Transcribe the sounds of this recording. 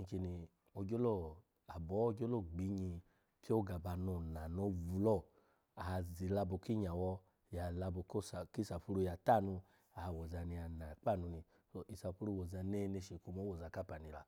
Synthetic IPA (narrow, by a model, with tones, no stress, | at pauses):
ĩ˧ki˧ni˧ | o˧ɡo˦lo˦˨ | a˨bɔ˨˦o˧ɡʲo˦lo˦˨ɡ͡bi˨˦ɲi˧ | kʰe˦o˦ɡa˨ba˧˨no˨na˨no˧˦vu˧lɔ˦˨ | a˨zi˨la˧bɔ˨ki˦ɲa˨wɔ˧ | ja˨la˧bo˧ko˦sa˨ki˦sa˨pu˧ɾu˧ja˨ta˦˨nu˧ | a˨wɔ˨za˧ni˧a˧na˨k͡pa˦˨nu˧ni˧ | so˧ʔi˨sa˨˧pu˧ɾu˧wɔ˨za˧ne˧˦˧ne˧ʃe˨ku˧mo˦wɔ˨za˨˧˨ka˦pa˨ni˧la˧